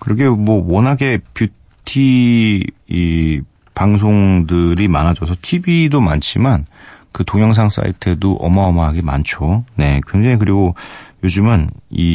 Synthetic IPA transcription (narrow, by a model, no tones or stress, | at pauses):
kɯɾʌɡʰemwʌwʌnɦaɡe̞pju | tʰi | i | paŋs̬ʰoŋdɯɾimanad͡ʑʌs̬ʰʌtʰibidoma̰nt͡ɕʰimankɯtoŋjʌŋs̬ʰaŋs͈a̰ḭtʰe̞doʔʌ̰maʌmaɦaɡema̰nt͡ɕʰone̞kwend͡ʑeik̬ɯɾiɡojod͡ʑɯmɯni